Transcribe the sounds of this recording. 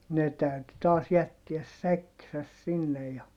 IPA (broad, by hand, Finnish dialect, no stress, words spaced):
ne tæyty tɑːs jætːiæs sækːisæs sinːej jɑ